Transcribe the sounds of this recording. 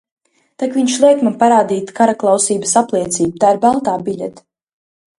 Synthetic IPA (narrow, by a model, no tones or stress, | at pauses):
t̪akviɲʃlˠɛjkmapaɾaːd̪iːt̪kaɾaklˠawsiːbəsaplˠiɛt̪siːbut̪aːiɾbalˠt̪aːbiʎʲɛ̰t̪